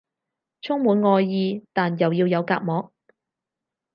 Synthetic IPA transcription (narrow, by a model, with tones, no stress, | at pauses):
t͡sʰʊ˥ŋmuː˨˧nŋɔː˧jːiː˧t̪aː˨njɐ˨˩wjiː˧wjɐ˨˧wkaː˧k̚mɔː˨˥k̚